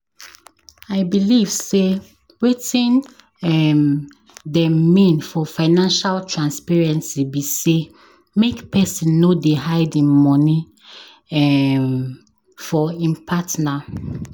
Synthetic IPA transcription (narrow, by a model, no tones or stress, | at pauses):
aɪbiliv̥se | wetĩn | ɛm | dɛ̃mːĩnfɔfaɪnãnʃaltʰɹãnspɛɹɛ̃nsibise | mekpʰɛsĩnːodeɦaɪdĩnmɔ̃ni | ɛ | fɔĩmpʰatna